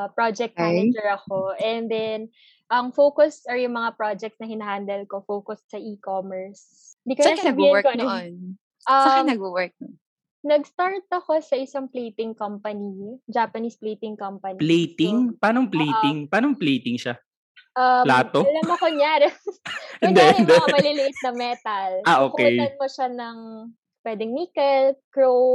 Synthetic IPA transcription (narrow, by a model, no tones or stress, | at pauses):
pɹod͡ʒɛk̚t̪̚ːnɛd͡ʒɛɹɐkoʔɛnd̪ɛn | ʔɐŋfokʊsɐɹjʊŋmɐŋapɹod͡ʒɛk̚t̪snɐhɪnɐhand̪ɐlkofoːkʊssɐʔikoːmɛɹs | ɪnd̪iːkoɐɐbiɛkonn | ʔɐmnɐɡ̚buwɛɹk̚ | nɐɡst̪aɹt̪̚ɐko̞sɐʔɪsɐŋplejt̪ɪŋkɐmpɐnid͡ʒaːpɐnisplejt̪ɪŋkɐmpɐniplejt̪ɪŋpaːnoŋplejt̪ɪŋpaːnoplejt̪ɪŋʃa | ʔɐlaːt̪oɐlɐmɐkoŋjaɾɛ | ɪnd̪ɛnd̪ɐɐmɐlɪlɪʔɪt̪̚nɐmɛt̪ɐlʔaʔoːkʊkɛjnɐn̚moʃanɐŋ | pwɛːd̪ɛŋmiːkɛlkɹow